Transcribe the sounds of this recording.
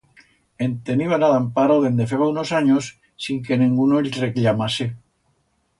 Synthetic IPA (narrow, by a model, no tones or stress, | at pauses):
ent̪eniβanaðampaɾaðend̪efeβaunosaɲosː | iŋkenĩŋɡunoeʎreklamase